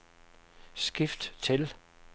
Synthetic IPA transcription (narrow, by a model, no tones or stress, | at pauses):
sɡ̥ifd̥t͡sʰe̝l